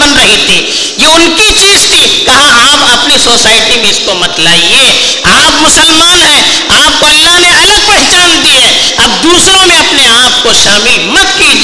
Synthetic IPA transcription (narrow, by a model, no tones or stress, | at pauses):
ɐnɾɐɦit̪ʰi | jeʊnkit͡ʃiːzt̪ʰikɐɦãaːpɐpnisoːsaːɪʈimẽɪskomɐt̪laːieː | aːpmʊsəlmaːnɦɛ | aːp̚koɐlːaɦneɐləɡ̚pɛɦt͡ʃaːnd̪iɦɛ̃ | ɐbd̪uːsɾõmẽɐpneaːpkoʃaːmilmɐt̪kid͡ʒ